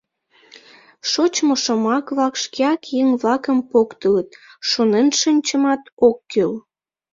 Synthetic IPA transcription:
ʃot͡ɕmoʃəmɑkβlɑkʃkeɑkjeŋβlɑkəmpokt̪ələt̪̚ʃonenʃənʲt͡ɕəmɑt̪okːøl

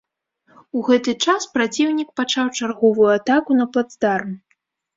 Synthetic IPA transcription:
uɣɛt̪ɨt͡ʂaspɾat͡sʲiwnʲikpat͡ʂawt͡ʂarɣɔvujuat̪akunɐplˠad̪zd̪arm

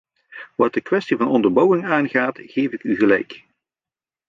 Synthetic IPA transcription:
ʋɑt̚dəkwɛstivɑnɔndərbɔwɪŋaːnɣaːtɣeːvɪkyɣəlɛ̰jk

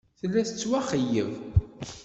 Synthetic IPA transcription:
θəlːæθət͡sːwæχəjə̰v

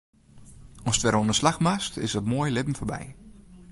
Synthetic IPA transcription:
ɔstʋɛɾonəslaxmastɪ̰sɔtmoəjlɪbn̩foɹbɛ̰j

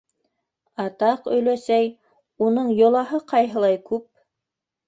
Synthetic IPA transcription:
ɑt̪ɑqɵ̆jlæsæj | unɤɴjŏlˠɑɦɤqɑjɦɤ̆lˠɑjkʉp̚

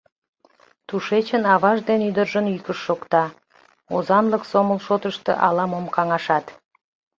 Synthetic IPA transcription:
t̪uʃet͡ɕənɑβɑʒd̪enyd̪ərʒənykəʃːokt̪ɑ | ozɑnləksoməlʃot̪əʃt̪ḛʔɑlɑmomkɑŋɑʃɑt̪

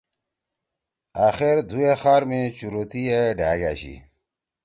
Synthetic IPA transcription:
aːxeɾd̪ʱuexaːɾmẽt͡ɕuɾoːt̪iːeɖʱaːɡa̰ːɕḭ

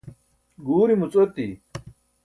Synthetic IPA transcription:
ɡuːɾimut͡sot̪i

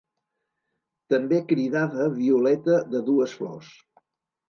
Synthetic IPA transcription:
t̪əmbekɾiðaðəβiulɛt̪əðəðuəsflɔ̰s

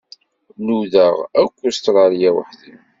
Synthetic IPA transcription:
luðəʁækʷːust̪ɾˤɑɾjæwə̰ħði

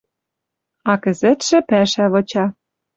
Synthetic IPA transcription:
ɑkɘ̆zɘ̆t̪ʃɘ̆pæʃæβɤ̆t͡ɕɑ

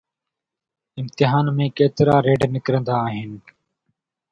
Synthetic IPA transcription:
ɪmt̪ɪɦaːnmẽːkeːt̪ɪɾaːɾeːɖnɪkɾə̃nd̪aːɦɪn

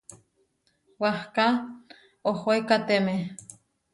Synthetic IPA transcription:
wahka | ohoekat̪eme

